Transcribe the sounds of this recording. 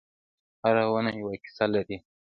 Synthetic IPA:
haɾawənajawaki̥salaɾi

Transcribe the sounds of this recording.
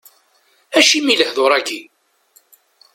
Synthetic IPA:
æʃimiləhðoɾˤæɡi

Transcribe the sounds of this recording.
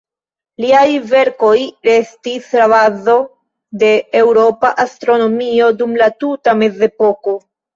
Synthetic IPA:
liajve̞ɾko̞jɾe̞stislavazo̞ | de̞ːwɾo̞paʔastɾo̞no̞mio̞dumlatutame̞ze̞po̞ko̞

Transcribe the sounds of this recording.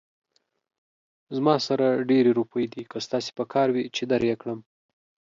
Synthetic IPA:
zmɑsaɾaɖeɾeɾupəjd̪ikəst̪ɑse̥pəkʰɑɾwit͡ʃed̪aɾjekɽəm

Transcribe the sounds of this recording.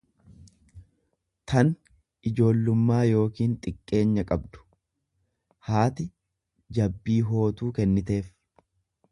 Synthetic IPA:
t̪ʰɐn | ʔɪd͡ʒo̞ːlːʊmːaːjo̞ːkiːnt̪ʼɪkʼːe̞ːɲːɐkʼɐbd̪ʊ̥ | haːt̪ɪ | d͡ʒɐbːiːɦo̞ːt̪uːkɛnːɪt̪e̞ːf

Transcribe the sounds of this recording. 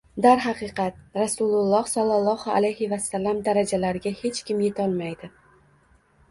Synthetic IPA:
d̪aɾɦɑqɨqʰɑt̪̚ɾasʊlʊlˠːɒhsɒlˠːalˠːɒha̰lajhɪvasːalːamd̪aɾad͡ʒalaɾɪɡʲahe̞t͡ʃkʲʰɪmje̞t̪ʰɒlˠmajd̪ɪ

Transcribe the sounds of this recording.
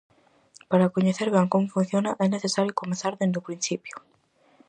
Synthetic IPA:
paɾakoɲeθeɾβɛŋkomʊfun̟θjonaʔɛneθesaɾjʊkomẽnθaɾðend̪ʊpɾin̟θipjʊ̥

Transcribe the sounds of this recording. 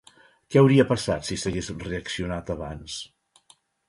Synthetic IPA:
kɛəwɾiəpəsat̪sisəɣezreəksiunat̪əβans

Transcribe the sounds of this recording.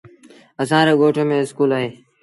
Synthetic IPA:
əsãːɾeːɡoːʈʰõːmẽːɪskuːlaːɦeː

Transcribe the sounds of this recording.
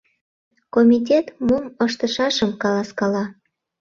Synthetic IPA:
komʲit̬ʲet̪muməʃt̪əʃɑʃəmkɑlɑskɑlɑ

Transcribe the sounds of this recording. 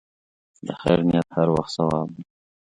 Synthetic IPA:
d̪əxa̰jɾnɪjat̪haɾwa̰xt̪sɐwɑːb̚d̪i

